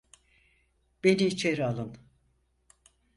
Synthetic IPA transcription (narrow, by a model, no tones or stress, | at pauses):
b̥e̞niit͡ʃʰe̞ɾialˠɯn